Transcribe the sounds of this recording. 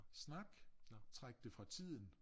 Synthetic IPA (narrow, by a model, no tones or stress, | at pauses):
snɑ̈ɡ̥d̥t͡sʰʁaɡ̥̚d̥əfʁɑ̈t͡sʰið̰ˠn̩